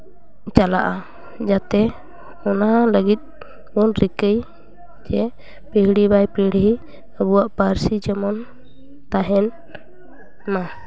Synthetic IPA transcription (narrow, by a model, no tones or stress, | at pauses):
t͡ʃala̰ʔa | d͡ʒat̪ɛ | ɔnaləɡit̪̚ˀ | bɔnɾikəj | d͡ʒɛ | pihɽibajpiɽɦi | əbuwaʔpaɾsid͡ʒɛmɔn | t̪aɦɛn | ma